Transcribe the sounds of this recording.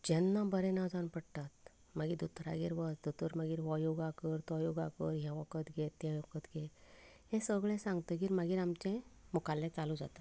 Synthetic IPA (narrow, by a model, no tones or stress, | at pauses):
d͡ʑɛnːabəɾɛ̃nad͡zanpəɽt̪at̪ | maɡid̪ut̪ɾa̰ɡiɾʋət͡sd̪ut̪əɾmaɡiːɾʋɔjoɡakəɾt̪ɔjoɡakəɾɦɛ̃ʋɔkət̪ɡet̪ːjajokət̪ɡet̪ɦɛ̃səɡɭɛ̃sãŋɡt̪əɡiːɾmaɡiːɾamt͡ɕɛ̃mɔkalːɛ̃t͡salud͡za̰t̪a